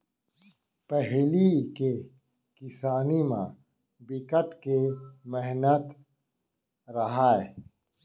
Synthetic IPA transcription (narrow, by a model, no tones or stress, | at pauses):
pəɦlike | kɪsaːnimã̰ | bikəʈkemeɦnət̪ | ɾɐɦaːe